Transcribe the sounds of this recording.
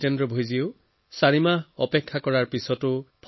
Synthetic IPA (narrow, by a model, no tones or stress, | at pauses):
tendɹɔbʱojziʊ | saɹimaɔpɛkʰːakɔɹaɹpisɔtʊpʰ